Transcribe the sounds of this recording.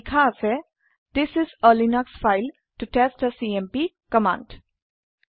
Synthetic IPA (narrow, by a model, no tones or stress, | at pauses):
kʰase | d̪ɪsɪzəːlinaksfaɪl | ʈuʈesʈəsiːɛ̃mpiː | kəmã̰ːɳɖ